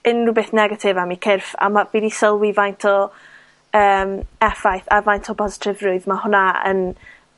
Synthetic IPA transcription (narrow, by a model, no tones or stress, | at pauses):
ɪnrubeθnɛɡatʰɪvamikʰɪrfa̰mav̥idisəlˠwivajntʰɔ | əːmɛfajθavajntʰɔpʰɔzɪ̥tʰɪvrʊɨðmahʊnaə̰n